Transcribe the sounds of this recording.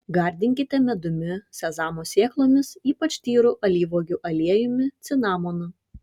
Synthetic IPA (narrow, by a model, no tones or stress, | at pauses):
ɡɐɾʲd̪ʲɪŋʲkʲɪt̪ʲɛmʲɛd̪ʊmʲɪsʲɛzɑːmoːsʲiɛklˠoːmʲɪsiːpɐt͡ʃʲt̪ʲiːɾʊʔɐlʲiːʋoːɡʲʊʔɐlʲiɛjʊmʲɪt̪sʲɪnɑːmonʊ